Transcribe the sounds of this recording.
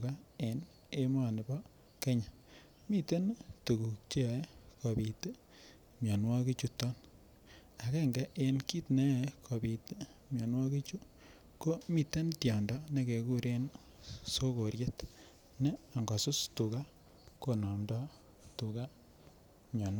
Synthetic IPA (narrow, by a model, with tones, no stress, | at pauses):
ka˦e˨n | e˦ma˨nɪ˨bɔ˦ | ke˦ɲa˨ | mi˦te˦ntu˨ɡu˨k̚t͡ʃe˦˨˦ko˨bi˨t | mjɔ˨nwa˦ki˦t͡ʃu˦tɔ˦n | a˨ke˦ŋɡa˦ʔe˨nki˦tne˦˨kʰo˨bi˨t | mjɔ˨nwa˦ki˦t͡ʃu˦ | ko˦mi˦te˦ntjɔ˨ndɔ˦ne˦ke˨ku˦ɾe˦n | so˦ko˨ɾje˦t | ne˦a˨ŋɡɔ˨sʊ˦stu˨ka˦ | ko˨nɔ˨mdɔ˦ | tu˨ka˦ | mjɔ˨n˦